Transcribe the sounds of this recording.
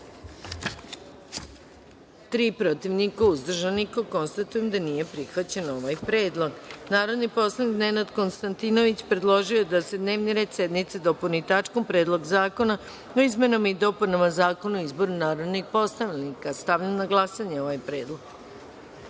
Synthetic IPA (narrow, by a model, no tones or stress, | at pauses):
t̪ɾiːpɾot̪iʋnikauzd̪r̩ʒanikoko̞nst̪at̪uje̞md̪anije̞pɾixʋat͡ɕe̞no̞ʋajpɾe̞ːd̪lˠo̞ɡnaːɾo̞d̪nipo̞slˠanikne̞nad̪ko̞nst̪ant̪ino̞ʋit͡ɕpɾe̞d̪lˠo̞ʒiod̪ase̞d̪ne̞ːʋniɾe̞ːd̪sje̞d̪nit̪sed̪o̞punit̪at͡ʃko̞mpɾe̞ːd̪lˠo̞ɡzaːko̞na | oizme̞nomaid̪o̞punamazaːko̞nuoizbo̞ɾunaːɾo̞d̪nixpo̞st̪aʋlnikast̪aʋʎamnaɡlˠasaɲeo̞ʋajpɾe̞ːd̪lˠoɡ